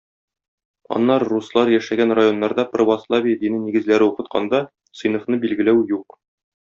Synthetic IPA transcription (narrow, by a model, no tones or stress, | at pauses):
ɒ̰nːɑɾːuslˠɑɾjæʃæɡænrajo̞nːɑɾd̪ɑprovɑslˠavʲijəd̪inɘniɡɘ̆zlæɾɘuqɤ̆t̪qʰɑ̰nd̪ɑ | sɤ̆jnŏfnɤbilɡɘ̆læwjuq